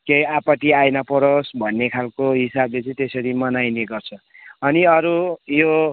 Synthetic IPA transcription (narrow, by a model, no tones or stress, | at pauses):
kejapʌʈ̪iajnʌpʌɾosbʱʌnːekʰalkoɦisablet͡sʌĩt̪esʌɾimʌnajneɡʌrt͡sʰʌ | ʌniʌɾujo